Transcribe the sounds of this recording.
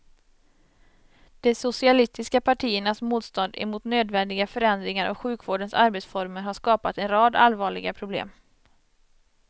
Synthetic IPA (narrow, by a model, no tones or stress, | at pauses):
d̪̥ɛsʊsɪalɪst̪ɪskapʰaʈʰiːəɳasmuːt̪st̪ɔnd̪ɛ̰muːt̪nøːd̪vɛnd̪ɪɡafœɾɛnd̪ɾɪŋaɾʔɔ̰ɧʉ̟ːkvoːɖənsaɾbeːt̪sfɔɾməɾɦaʂkɑːpat̪ɛnɾɑːd̪a̰lvɑːɭɪɡapʰɾʊblḛːm